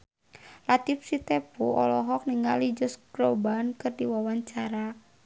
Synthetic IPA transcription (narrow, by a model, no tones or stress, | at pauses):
lat̪ipsit̪ɛpuɔlɔɦɔk̚niŋɡalid͡ʒɔsɡɾɔbankɨrdiwawaɲt͡ʃaɾa